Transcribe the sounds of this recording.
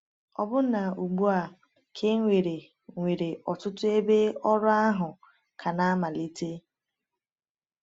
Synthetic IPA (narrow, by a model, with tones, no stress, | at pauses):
ɔ˨bʊ˦na˨u˨ɡ͡bu˦a˨ | kʰe˦ŋʷe˨ɾe˨ | ŋʷe˨ɾe˨ʔɔ˨tʊ˦tʊ˦e˦be˦ɔ˦ɾʊ˦a˦ɦʊ˨ | kʰa˨na˦ma˨li˦te˦